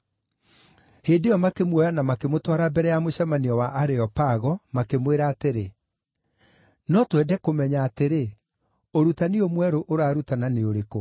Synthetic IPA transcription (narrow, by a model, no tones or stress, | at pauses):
heːndejɔmakemwɔjanamakemotwaɾabɛɾɛjamoɕɛmaniɔwaʔaɾeɔpaɣɔmakemweɾaːteɾe | nɔtwɛːdɛkomɛɲaːteɾe | oɾutaneomwɛɾoʔoɾaːɾutananeoɾeko